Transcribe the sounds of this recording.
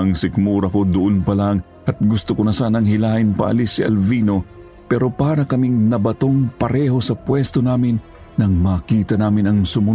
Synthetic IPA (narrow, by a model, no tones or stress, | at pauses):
ɐŋsɪkmuːɾɐko̞d̪ʊʔonpɐlaŋ | ʔɐt̪̚ɡʊst̪ʊkonɐsaːnɐŋhɪlaːʔɪnpɐ̰ʔɐ̰lisiʔɐ̰lviːno̞ | pɛːɾo̞paːɾɐkɐmiŋnɐbɐt̪o̞ŋpɐɾɛːho̞sɐpwɛst̪o̞naːmɪnː | ɐŋmaːkiːt̪ɐnaːmɪnɐŋsʊmʊ